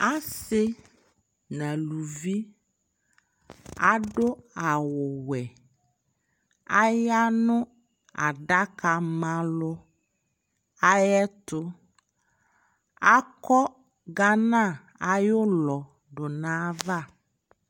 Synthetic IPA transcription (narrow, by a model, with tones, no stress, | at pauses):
a˦sɪ˦ | nã˨lu˨vi˦ | a˦ɖʊ˦a˨wʊ˨wɛ˨ | a˦ja˦nʊ̃˦ | a̰˨ɖa˦ka˨mã˦lʊ˦ | a˦jɛ˦t̪ʊ˦ | a˦kɔ˦ | ɡa˦nã˦˨ | a˨jʊ˦lɔ˨ | ɖʊ˨nã˦va˦˨